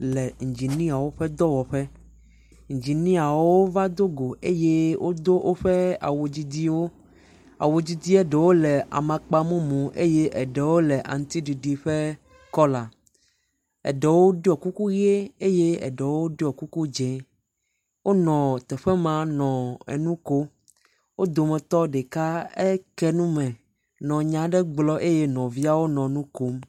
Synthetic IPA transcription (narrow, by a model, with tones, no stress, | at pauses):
lɛ˨ŋ̩˨d͡ʑi˨nĩ˦a˨wo˦ɸɛ˦d̪ɔ˦wɔ˨ɸɛ˦ | ŋ̩˨d͡ʑi˨nĩ˦a˨wo˦va˦d̪o˦ɡo˨ʔe˦je˦wʔo˦d̪o˦ʔo˦ɸɛ˦a̰˨wo˨d͡ʑi˦d̪i˦wo˦ | a̰˨wo˨d͡ʑi˦d̪i˦ɛ˦ɖɛ˨wo˦lɛ˨a̰˨mã˨k͡pa˦mõ˦mũ˨ʔe˦je˦ʔɛ˨ɖɛ˨wo˦lɛ˨ʔa̰˨ŋ˦t̪i˦ɖi˨ɖi˨ɸe˦ | kɔ˦la˨ | ɛ̰˨ɖɛ˨wo˦ɖi˦ɔ˨ku˦ku˦ɣe˦e˦je˦ɛ̰˨ɖɛ˨wo˦ɖi˦ɔ˨ku˦ku˦d͡ʒɛ̃˨ | wʔo˦nɔ̃˨t̪ɛ˨ɸɛ˦mã˦nɔ̃˨ɛ̰˨nũ˦ko˦ | wo˦d̪o˨mɛ̃˨t̪ɔ˦ɖe˨ka˦ɛ˦kɛ˦nũ˦mɛ̃˨ | nɔ̃˨ɲã˦ɖɛ˦ɡ͡blɔ˦ʔe˦je˦nɔ̃˨vi˦a˦wo˦nɔ̃˨nũ˦ko˦m